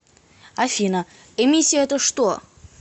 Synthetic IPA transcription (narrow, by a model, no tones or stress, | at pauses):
afʲinə | emʲisʲiɛt̪əʂt̪o